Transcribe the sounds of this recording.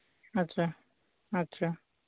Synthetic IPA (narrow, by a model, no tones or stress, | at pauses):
ɐtːɕʰa | ɐtːɕʰaː